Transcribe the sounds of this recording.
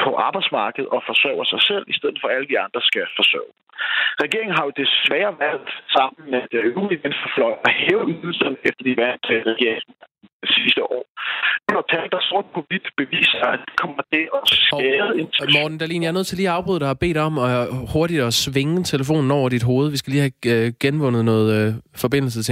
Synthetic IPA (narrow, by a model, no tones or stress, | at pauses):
pʰɒ̽ʔɑ̈ːb̥ɑɪd̥smɑ̈ːɡ̥əð̞̩ˠɒ̽fɒ̽sœ̰ʊɐsɑ̈ɪsel̰isd̥eð̞̰ˠð̩ˠfɒ̽æləd̥iɑ̈nd̥ʁɐsɡ̥æfɒ̽sœːʊ | ʁɛɡ̥e̝ɐeŋn̩ɦɑ̈jo̝d̥e̝sʋɛːɐʋæl̰d̥sɑ̈m̰n̩med̥eøʊliʋen̰̥fɒflɒ̽ɪ̰̥ɒheːʊuð̩ˠsɐnəefd̥ɐd̥iʋæn̰dʰeʁɛɡ̥e̝ɐ̰eŋn̩sisd̥əʔɒ̰ːnunɒt͡sʰɛld̥ɑ̈sʰʁɔɡ̥̚pʰɒ̽ʋid̥b̥e̝ʋḭːsɐæd̥e̥kʰɒ̽m̰ɐd̥e̝ʔɒsɡ̥ɛð̩ˠen̰t͡sʰmɒːd̥n̩d̥æɐlḭːnjɑɐnoð̰ˠt͡sʰe̝liːɐɑ̈ʊb̥ʁuðˠdɑɒb̥e̝̰ːd̥ɒ̽mɒ̽ho̝ɐɾ̥id̥ɒ̽sʋeŋət͡sʰe̝ləfo̝̰ːnn̩ɒʊ̰ɐd̥id̥ɦo̝ːð̞̩ˠʋisɡ̥æliːhæøɡ̥enʋɔ̽nð̩ˠnɔ̽ːð̩ˠfɒ̽b̥e̝n̰l̩s̬ət͡sʰe̝